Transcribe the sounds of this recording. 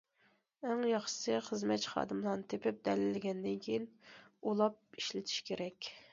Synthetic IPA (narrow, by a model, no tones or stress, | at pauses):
æŋjɑχʃsɨχəzmɛt͡ʃχɑ̰ːd̪ɨmlˠɑɾnɨt̪ʰepɪp̚d̪ɛlɪlɪɡʲɛnd̪ɪŋkʲʰejinulˠɑp̚iʃlɪt̪ʰi̥ʃkʲʰeɾɛkʲ